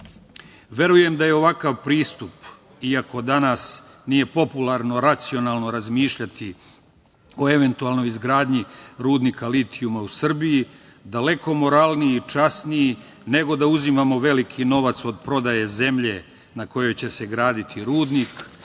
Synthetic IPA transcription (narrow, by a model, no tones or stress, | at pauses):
ʋe̞ɾuje̞md̪aje̞o̞ʋakaʋpɾiːst̪up | iako̞d̪anas | nije̞po̞pulˠaɾno̞ɾat̪sio̞naːlˠno̞ɾazmiːʃʎat̪i | o̞e̞ʋe̞nt̪uaːlno̞jizɡɾaːd̪ɲiɾuːd̪nikʰalit̪ʰiumausr̩biji | d̪ale̞ko̞mo̞ɾaːlniːt͡ʃasniji | ne̞ɡo̞d̪auzimamo̞ʋe̞likʰino̞ʋat̪so̞d̪̚pɾo̞d̪aje̞ze̞mʎe̞ | nako̞jo̞jt͡ɕe̞se̞ɡɾaːd̪it̪ʰiɾuːd̪niːk